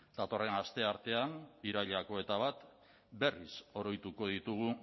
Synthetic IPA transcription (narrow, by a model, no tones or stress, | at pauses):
d̪̥at̪o̞re̞nast̪e̞aɾt̪e̞aniɾaʎako̞e̞t̪aβ̞at̪ | be̞riso̞ɾo̞jt̪uko̞ð̞it̪uɣ̞u